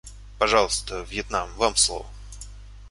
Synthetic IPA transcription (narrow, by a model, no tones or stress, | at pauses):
pɐʐɑlˠəst̪əvjɛt̪namvamslˠo̰və